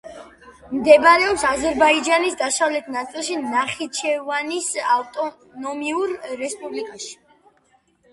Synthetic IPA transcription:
md̪ɛbaɾɛɔpsazɛɾbaid͡ʒanisd̪asavlɛt̪ʰnat̪sʼilˠʃinaχit͡ʃʰɛvanisavt̪ʼɔ | nɔmiuɾːɛspʼublikʼaʃi̥

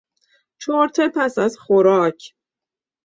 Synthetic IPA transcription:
t͡ʃʰoɾt̪ʰepʰæsæzxoɾɒːcʰ

